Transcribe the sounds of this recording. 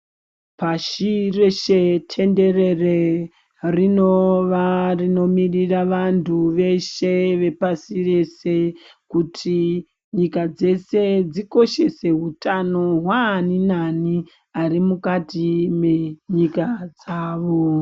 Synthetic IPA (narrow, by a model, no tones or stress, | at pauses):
paʃire̞ʃetʰe̞nde̞re̞re | rinoʋarino̞miriraʋantʰuʋe̞ʃeʋe̞pasire̞se̞kutʰi | ɲikad͡ze̞se̞d͡ziko̞ʃe̞se̞ɦutano̞ɦwaninani | arimukatime̞ɲikad͡zaːʋo